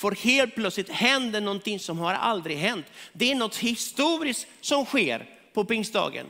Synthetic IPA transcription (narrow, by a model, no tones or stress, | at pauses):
fœɾheːlt̪̚pʰlœt̪slɪt̪hɛnd̪əɳɔnt̪ɪŋsɔmhaɾa̰ld̪ɾɪɡɦɛnt̪d̪ɛæɳɔt̪ːhɪst̪uːɾɪsk̪ | sɔmɧḛːɾ | pʰɔpɪŋsd̪ɑ̰ːɡə̰n